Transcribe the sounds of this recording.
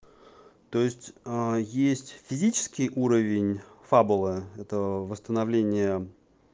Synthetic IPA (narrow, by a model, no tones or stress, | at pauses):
t̪oɪsʲtʲjesʲtʲfʲɪzʲit͡ɕɪ̥skʲɪjʔuɾəvʲɪnʲfabʊlˠɨɛt̪əvəst̪ənɐvlʲenʲɪjə